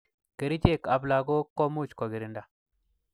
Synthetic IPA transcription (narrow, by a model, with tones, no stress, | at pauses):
ke˨ɾi˦d͡ʒe˦˨ka˨bla˨ɡo˦ko˦mu˦˨t͡ʃko˨ɡi˨ɾi˨nda˨